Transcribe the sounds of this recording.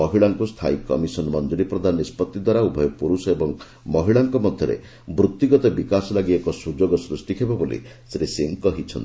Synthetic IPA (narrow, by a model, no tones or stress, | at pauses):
ɔɦiɭaŋkust̪ʰa̰ikɔ̰misɔnmɔnd͡ʒuɾipɾɔd̪ʱanːispɔt̪ːid̪waɾaubʱɔjɔpuɾusɔebɔŋ | mɔɦiɭaŋkɔmɔd̪ʱjɔɾḛ | bɾut̪ːiɡɔt̪ɔbikasɔlaɡiekɔsud͡ʒoɡɔsɾusʈikʰebɔbolḭ | sɾeseŋkɔɦit͡ʃʰɔ̰nt̪i